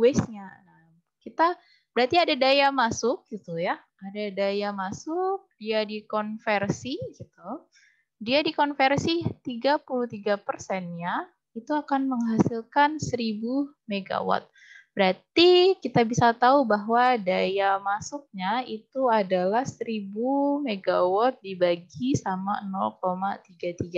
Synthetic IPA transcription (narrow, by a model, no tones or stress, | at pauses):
wɛsɲana | m | kit̪a | b̥əɾat̪iadadajamasʊk̚ɡit̪uja | adadajamasʊk̚diadikɔnfɛrsiɡit̪u | diadikɔnfɛrsit̪iɡapulut̪iɡapərsɛnɲa | it̪uakanməŋɦasilkansəɾibu | meɡa̰wɔ̰t̪̚ | b̥əɾat̪ikit̪abisat̪aubaɦwadajamasʊk̚ɲait̪uadalahsəɾibumeɡawɔt̪̚dibaɡisama̰nɔlkomat̪iɡat̪iɡa